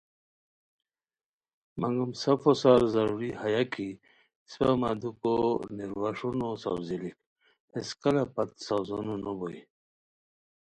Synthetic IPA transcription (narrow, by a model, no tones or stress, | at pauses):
maŋɡumsɐfosaɾzɐɾuɾihajakʰi | spamad̪ukoniɾwaʂunosa̰wzilik | eskɐlapat̪sawzononoboi